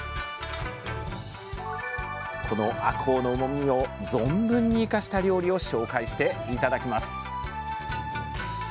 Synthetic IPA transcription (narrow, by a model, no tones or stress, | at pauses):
kʰo̞no̞ʔakʰo̞ːno̞ɯmo̞mʲio̞d͡zõ̞mbɯ̟̃ɲ̟ːiːkaɕi̥t̪aɾʲo̞ːɾʲio̞ɕo̞ːkaiɕi̥t̪e̞it̪ad̪akʲimasɨ̥